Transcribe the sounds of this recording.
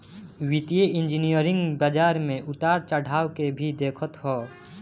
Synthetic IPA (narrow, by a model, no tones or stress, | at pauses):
wɪt̪ijeɪ̃nd͡ʒinijəɾɪ̃ŋɡbəd͡ʒaːɾmẽʔʊt̪aːɾt͡ʃəɽ̤ʱaːwkebʱid̪eːkʰət̪ɦoː